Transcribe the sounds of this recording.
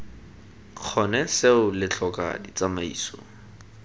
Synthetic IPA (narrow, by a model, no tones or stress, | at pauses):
q͡χʰɔnɛseʊlɪt͡ɬʰɔka̰dit͡samaḭːso̰ːŋ̩